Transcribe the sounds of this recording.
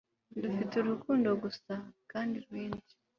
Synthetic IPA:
ndufituɾukuːndo̞ɡusakaːndiɾwiːnd͡ʒi̥

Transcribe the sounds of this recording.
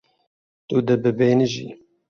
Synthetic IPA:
t̪ud̪ɨbɨbeːnɨʒḭ

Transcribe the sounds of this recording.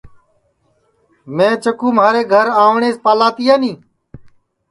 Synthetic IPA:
mẽːt͡ʃəkũːmaːɾeːɡʱəɾaːʋɳeːspaːlaːt̪iːjaːnĩː

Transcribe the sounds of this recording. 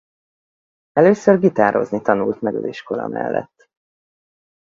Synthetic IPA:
ɛløːsørɡit̪aːɾo̞znit̪ɒnult̪mɛɡɒziʃko̞lɒ̰mɛlːɛ̰t̪ː

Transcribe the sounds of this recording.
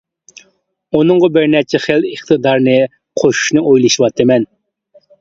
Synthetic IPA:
unɨŋʁɑbɪɾnɛt͡ʃʰɛχeləχt̪ʰɨd̪ɑɾnɨ | qʰoʃu̥ʃnɨʔojlˠɨʃiwɑt̪ʰːɨmɛn

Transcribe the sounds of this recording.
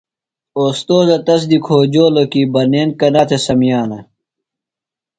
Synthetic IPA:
oːst̪oːzɐt̪ɐs̬d̪ikʰoːd͡ʑoːlokibɐneːnkɐnaːt̪ʰesɐmijaːnɐ

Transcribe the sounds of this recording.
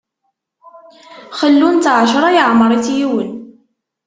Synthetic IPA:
χəlːunt̪ʕəʃɾˤɑjəʕməɾˤiθjiwən

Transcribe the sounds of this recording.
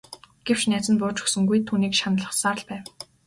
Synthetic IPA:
ɡ̥ew̥t͡ɕnæːt͡sɘ̆npʊːrt͡ɕɵ̥ksɵ̆ŋɡujt̪ʰuːniːkʃanə̆ɮə̆χsaːrɮpæːw

